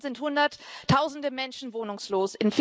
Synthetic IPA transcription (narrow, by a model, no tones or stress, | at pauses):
zɪnthʊndɐtʰːaʊzn̩dəmɛnʃn̩voːnʊŋsloːsɪnf